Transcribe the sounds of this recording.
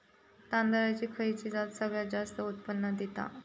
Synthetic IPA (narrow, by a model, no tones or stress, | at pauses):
t̪and̪əɾat͡ɕikʰəit͡ɕid͡zat̪səɡɭjad͡ʑast̪əut̪pənːəd̪et̪a̰